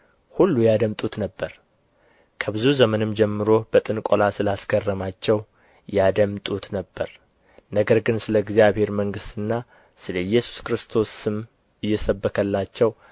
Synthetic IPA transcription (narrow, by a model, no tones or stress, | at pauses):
hulːujad̪əmt̪ʼut̪nəbːəɾ | kʰəbɨzuzəmənɨmd͡ʒɛmːɨɾo̞bət̪ʼɨnkʼolasɨlasɡʰərːəmat͡ʃːɛw | jad̪əmt̪ʼut̪nəbːəɾ | nəɡəɾɡɨnsɨləɡzijaβhe̞ɾməŋɡɨst̪ʰɨnːa | sɨləjːɛsu̥skɾɨst̪ʰo̞sːɨm | ɨjːɛsəbːəkʰəlːat͡ʃːɛw